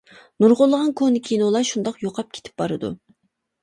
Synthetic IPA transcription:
nuɾʁʊlˠːəʁɑnkʰonɪkʲʰinulˠɑʃund̪ɑqjoqʰɑp̚kʲʰe̥t̪ʰɪ̥p̚bɑɾɨd̪ṵ

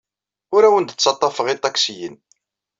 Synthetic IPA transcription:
ʊɾæwənd̪ət͡sːɑt̪ˤːɑfəʁit̪ˤːɑksijə̰n

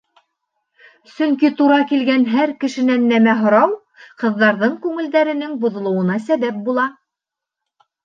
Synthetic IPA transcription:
sɵŋkit̪uɾɑkilɡænɦæɾkɘ̆ʃɘ̆nænːæmæɦŏɾɑw | qɤ̆ðːɑɾðɤɴkʉŋɘ̆ld̪æɾɘ̆nɘŋbŏðŏlˠŏwɤ̆nɑsæβæp̚bulˠɑ

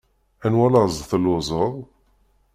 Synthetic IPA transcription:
ænwælɑzˤθəlʊzˤəðˤ

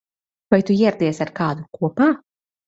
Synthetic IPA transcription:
vajt̪ujɛɛɾd̪iːɛsaɾkaːd̪ukuɔpaː

